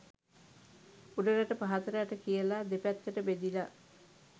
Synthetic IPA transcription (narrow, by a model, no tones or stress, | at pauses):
uɖəɾaʈəpaɦat̪əɾəjaʈəkijəlad̪epæt̪ːəʈəbed̪ila